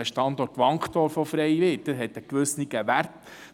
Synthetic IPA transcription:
əʃtɑnd̪ɔrtʋɑŋkχtɔɾfɔfɾɛjʋɪːt̚d̥əɦɛt̪əkʋɵsniɡəʋæɾt

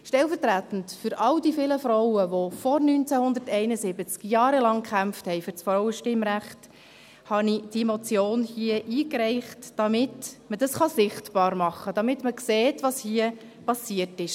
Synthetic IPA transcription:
ʃtɛlfərtɾæt̪ən̩tfʏɾʔɑldifɪləfɾɔwəʋofɔɾnynt͡sæhʊnd̪əɾtɛɪnəzɪbət͡skjɑːɾəlɑŋkχæmfthɛɪfʏɾsfɾɔʊəʃtɪmɾæχt | hɑnid̥iəmɔt͡sjoːnhiəʔiːkɾɛɪχtd̥ɑmɪtməd̥ɑsχɑsɪχtbɑːɾmɑχːəd̥ɑmɪtməkseːtʋɑshiə | pɑsiətɪʃ

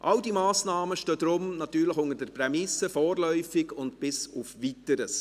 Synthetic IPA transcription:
ʔɑwdimaːsnɑːməʃtød̥̪ɾʊmnɑtyːɾləxʊŋəɾdɛɾpɾɛmɪsːəfɔːɾlœʏfɪɡʊntb̥ɪsʊfʋitəɾəs

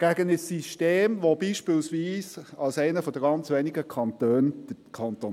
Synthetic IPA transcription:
ɡ̥æɡənəsiʃteːmʋobiːʃpɪlsʋiːsɑlsɛɪnəfɔd̥əɡɑnt͡sʋɛniɡəkʰɑntøːnd̥əkʰɑnt̪o

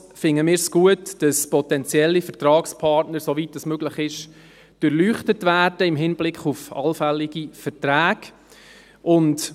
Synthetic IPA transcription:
fɪŋːəmɪːɾsɡ̥uətd̥ɑspɔtɛnt͡sjɛlːifəɾtrɑːkspʰɑrtnəɾsovitəsmøɡ̥lɪχɪʃ | d̥øɾlyːχtətvæːd̥əɪmɦɪnblɪkχufɑ̰lfɛlːɪɡ̥ifətræːɡ̥ | ʔʊnt

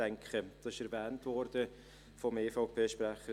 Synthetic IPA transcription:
ɛŋkχəd̪̥ɑsɪʃɛɾvɛːntvɔɾd̥ə | fɔmeːfɑʊpʰeːʃpɾæχə

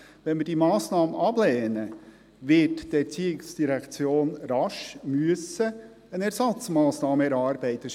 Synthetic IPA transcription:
ʋɛnmɪɾdimɑːsnɑːməʔɑblɛːnə | ʋɪtdɛɾt͡siɪksd̥iɾɛkt͡sjoːnɾɑʃmyəsə | ənɛɾsɑt͡smɑːsnɑːməɛɾɑːɾbɛɪt̪əʃ

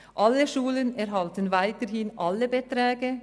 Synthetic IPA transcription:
ʔaləʃuːlənɛɐɦaltənvaɪtəʁhɪnʔalːəbətʁ̥ɛːɡə

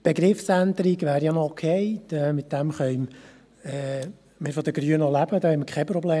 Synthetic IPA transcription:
b̥eɡɾɪfsænd̪əɾiɡʋæːɾjɑnɔkʰhɛɪtɛmɪt̪d̥ɛmχœʏm | ɛ | mɪɾfɔd̥̪əɡ̥ɾyənɔlæb̥əd̪ɑːhɛməkʰχɛprɔbleː

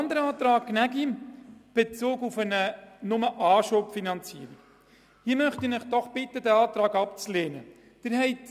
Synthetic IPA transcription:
ɑnd̪əɾəɑːt̪ɾɑːkːnæɡib̥et͡soːɡufənənʊməʔɑːʃoːpfinɑnt͡siːəɾik | hiːmœχtinəχd̥ɔχb̥ɪtːədæɑːtɾɑːɡɑpt͡sleːnə | d̥ɪɾɦɛɪt

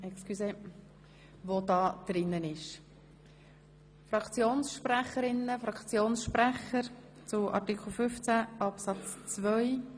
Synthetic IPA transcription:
ɛkskyse | ʋod̪ɑːd̪̥ɾɪnːənɪʃ | fɾɑkt͡sjoːnsʃpræχəɾɪnəfɾɑkʰt͡sjoːnsʃpɾæχəɾ | t͡sʊʔɑ̰ɾtikʰl̩ˠfʏft͡sæʔɑpsɑt͡st͡svœʏ

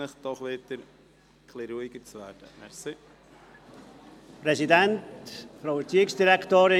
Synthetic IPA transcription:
ɪχd̥ɔχʋɪd̪əɾ | kʰliɾuiɡəɾt͡sʋæːɾd̥əmɛɾsi | pɾɛsidɛntfɾawɛɾt͡siːɪksd̥iɾɛktoːɾɪ

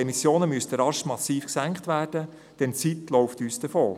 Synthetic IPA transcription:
ɛmisjoːnəmyəsd̥̪əɾɑʃmɑsiːfksæŋkχtʋæːrd̥ə | d̥ɛnt͡sit̪lɔwftyːsd̥əfoː

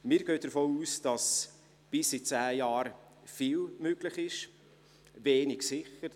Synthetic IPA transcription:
mɪːɾɡøːd̥əɾfoːuːsd̥ɑs | b̥ɪsit͡sæːjɑːɾ | fiːlmøɡlɪχɪʃ | veːnɪɡsɪχəɾ

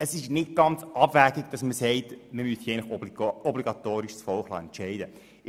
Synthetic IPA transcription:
əsɪʃnɪt̚ɡ̥ɑnt͡sɑbvæːɡɪɡd̥ɑsməsɛɪtməmysjɛɪnləχɔbliɡɑtoːɾɪʃsfɔlχlɑ̰ɛntt͡ʃɛɪdə

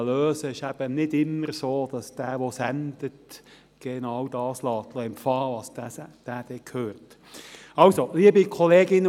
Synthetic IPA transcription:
løːsəɪʃæb̥ənɪdɪmːəɾsoːd̥ɑsd̥æːʋosænd̪ət | ɡ̥enɑwdɑːslɑːt̪ləɪmfɑlɑsd̥æːd̥æːd̥ɛkʰhøːɾt | ɑwsoliəbikʰɔleːɡɪnə

